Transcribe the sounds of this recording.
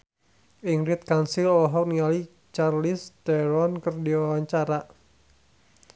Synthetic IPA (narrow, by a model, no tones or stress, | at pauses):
ʔiŋɾit̪̚kansilɔɔɦɔk̚niali | t͡ʃarlist̪ɛɾɔnkərdiwawaɲt͡ʃaɾa